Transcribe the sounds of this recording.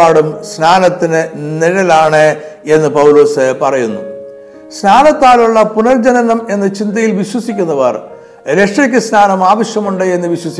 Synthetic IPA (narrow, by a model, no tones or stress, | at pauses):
aːɽumsnaːnɐt̪ːinɨniɻɐlaːɳɨe̞nːɨpɐwlo̞ːsɨpɐrɐjunːu | snaːnɐt̪ːaːluɭːɐpunɐrd͡ʑɐnɐnɐme̞nːɨt͡ɕind̪ɐjilʋiɕwɐsikʲːunːɐʋɐr | ɾe̞ʂɐkʲːɨsnaːnɐmaːʋɐɕjɐmuɳɖɨe̞nːɨʋiɕwɐsi